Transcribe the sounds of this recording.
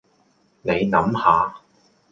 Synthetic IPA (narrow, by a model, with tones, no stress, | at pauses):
ne˨˧jnɐ˨˥mhaː˨˧